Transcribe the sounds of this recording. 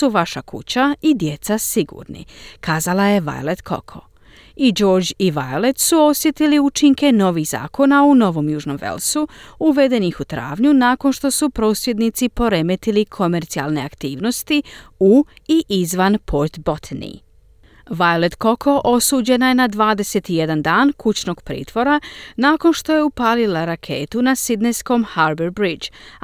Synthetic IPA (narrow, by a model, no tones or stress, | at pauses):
suʋaʃakṵt͡ɕaid̪je̞t̪sasiɡṵːɾnḭkaːzalaje̞ʋa̰jled̪kʰo̰kʰo̞̰ | id͡ʒo̞ːɾd͡ʑiʋajole̞t̪suo̞sjet̪iliut͡ʃiŋke̞no̞ʋixza̰ːko̞nauno̞ʋo̞mjuːʒno̞̰mʋḛlsuuʋe̞d̪e̞nixut̪ɾa̰ːʋɲunaːko̞nʃt̪o̞supɾo̞ːsje̞d̪nit̪sipo̞ɾe̞met̪ilikʰo̞me̞ɾt̪sia̰lˠne̞akt̪iːʋno̞st̪iuiʔizʋanpʰo̞ɾt̪bo̞t̪nḭ | ʋajoled̪ko̞kʰoʔosuːd͡ʑe̞najenad̪ʋaːd̪e̞se̞t̪ije̞d̪and̪aːnkut͡ɕno̞ɡ̥pɾḭːt̪ʋo̞ɾanaːko̞nʃt̪o̞je̞upaːlilaɾakʰe̞ːt̪unasid̪nesko̞mhaɾbeɾbɾid͡ʒ